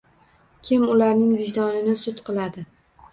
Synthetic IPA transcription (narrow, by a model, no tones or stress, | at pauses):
kʲʰɪmʊlaɾnɪŋvɪʒd̪ɒnɪnɪsʊt̪qʰɨlˠad̪ɪ